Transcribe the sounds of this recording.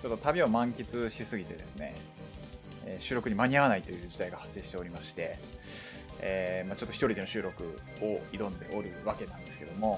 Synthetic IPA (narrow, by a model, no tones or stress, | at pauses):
t͡ɕot̪ːo̞t̪abʲiomãŋkʲit͡sɨɕisɨɡʲit̪e̞̰d̪esɨne̞̰ | eːɕɨːɾo̞kɯ̟ɲ̟imaɲ̟iaβanait̪ːo̞jɯ̟ːd͡ʑid̪aiɡahasːe̞ːɕi̥t̪e̞o̞ɾʲimaɕi̥t̪e̞ | eːmat͡ɕot̪ːoçi̥t̪o̞ɾʲid̪e̞no̞ɕɨːɾo̞kɯ̟̰ | oid̪õ̞nd̪e̞̰ʔoɾɯ̟βake̞nãnd̪e̞sɨ̥ke̞̰d̪o̞mo̞